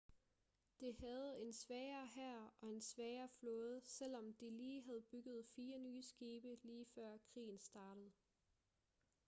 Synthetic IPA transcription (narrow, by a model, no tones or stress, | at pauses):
d̥e̝hæð̞̩ˠe̝nsʋɛːɪɐːɦæɐ̰ɒ̽e̝nsʋɛɪɐːflɔ̽ːð̞̩ˠsel̰ɒ̽md̥iliːɦæð̞̩ˠb̥yɡ̥ð̞̩ˠfiːɐnyːəsɡ̥iːb̥əliːfɶɐ̰kʰʁḭːn̩sd̥ɑ̈ːɾ̥əð̩ˠ